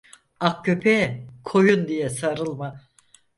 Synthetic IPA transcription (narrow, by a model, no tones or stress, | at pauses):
ak̚cʰøpʰɛkʰo̞jund̪ijɛsaɾɯlˠma